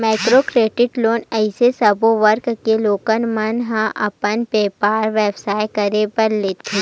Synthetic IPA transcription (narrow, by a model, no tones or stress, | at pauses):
maːɪkɾokɾeːɖɪʈloːnɛɪsesɐboʋəɾkkeloːkənmɐnɦãʔɐpənpeːpaːɾʋeːbsaːjkɐɾepɐɾleːt̪ʰe